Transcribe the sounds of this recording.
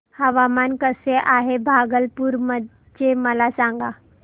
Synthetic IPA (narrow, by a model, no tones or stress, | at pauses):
həʋamankəseʔaɦebʱaɡəlpuːɾmə | t͡ɕeməlasaŋɡa